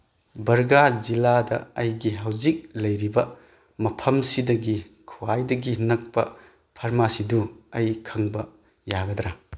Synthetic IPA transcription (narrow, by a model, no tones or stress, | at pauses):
bɐɾɡaziladɐ̰ɐjɡiɦɐwzik̚lɐjɾibɐ | mɐpʰɐmsidɐɡi | kʰuwajdɐɡinɐk̚pɐ̰ | pʰɐɾmasiduɐjkʰɐŋbɐ | jaɡɐd̪ɾa